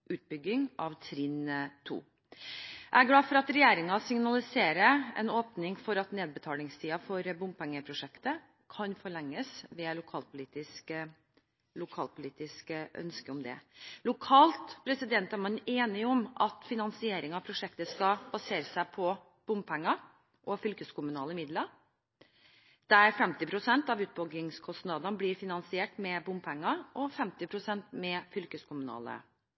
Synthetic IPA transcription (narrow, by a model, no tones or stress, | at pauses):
ʔʉːt̪̚bʏɡɪŋɑʋt̪ʰɾɪnt̪ʰṵː | ʔææɡlɑːfɔɾɑt̪ɾɛjeːɾɪŋɑsɪŋnɑlɪseːɾəɛ̰noːpnɪŋfɔɾɑt̪neːd̪̚bət̪ʰɑːlɪŋst̪ʰiːɑfɔɾbʊmpʰɛŋːəpʰɾʊʂɛkt̪ə | kʰɑnfɔɭɛŋːəsʋɛlʊkʰɑːlpʰʊliːt̪ɪsk | lʊkʰɑːlpʰʊliːt̪ɪskʔœ̰nskəɔmd̪ɛ̰lʊkʰɑːlt̪pʰɾɛsɪd̪ɛnt̪æɾmɑneːnɪɔmʔɑt̪fɪnɑnsɪeːɾɪŋɑpʰɾʊʂɛkt̪əskɑbɑseːɾəsæɪpʰɔ | b̥ʊmpʰɛŋːɑ | ʔɔfʏlkəskʊmʉnɑ̰ːləmɪd̪lɑɾ | d̪̥ɛæɾfɛmt̪ɪpʰɾʊsɛnt̪ɑʋʉːt̪̚bɔɡɪŋskʰɔst̪nɑːd̪ɑnbliːɾfɪnɑnsɪeːʈmɛbʊmpʰɛŋːɑʔɔfɛmt̪ɪpʰɾʊsɛnt̪mɛfʏlkəskʰʊmʉnɑ̰ːlə̰